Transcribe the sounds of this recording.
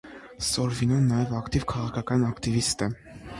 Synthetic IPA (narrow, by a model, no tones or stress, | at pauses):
sɔɾvinɔnːɑjɛvɑkt̪ivkʰɑʁɑkʰɑkɑnɑkt̪ivist̪ɛ